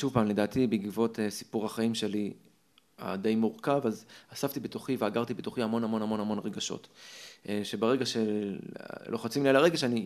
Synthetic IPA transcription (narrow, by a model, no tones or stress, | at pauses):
ʃuvpaːmle̞daːtibiɡivo̞tesipuʁhaχaimʃe̞li | a̰dejmuʁkavazasaft̪ibetoχiveaɡaʁt̪ibetoχiamo̞namo̞namo̞namo̞nʁeɡaʃo̞̰teʃebeʁeɡaʃe̞ | lʔo̞χat͡simlialaʁeɡaʃeani